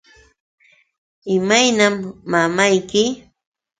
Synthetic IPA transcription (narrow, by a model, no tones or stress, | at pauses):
ɪmajnamːamajkɪ